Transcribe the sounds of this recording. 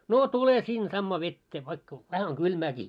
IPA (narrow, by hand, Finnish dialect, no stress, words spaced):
noː tule sin sɑmːɑː ʋetːeː ʋɑikːɑ ʋæhæ oŋ ɡ̊ylmæːkiː